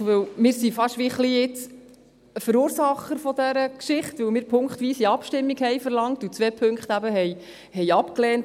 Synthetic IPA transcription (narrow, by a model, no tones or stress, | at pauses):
ʋɵwmɪːɾsifɑʃʋiχliɪt͡s | fəɾuːɾsɑχːəɾfɔd̪æɾəkʃɪχt̪ʋɵwmɪːɾpʰʊŋkχt̪ʋiːsiɑpʃtɪmːiɡhɛjfəɾlɑŋt̪ut͡sʋɛːpʰɵŋkχt̪æbəɦɛɪ | hɛɪɑpkleːnt